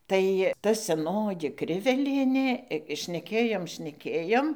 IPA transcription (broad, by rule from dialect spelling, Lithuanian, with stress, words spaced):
tɐɪ ˈtɐ sʲɛˈnoːjɪ ˈkrʲɪʋʲɛlʲiɛnʲeː ʃʲnʲɛˈkʲeːjoːm ʃʲnʲɛˈkʲeːjoːm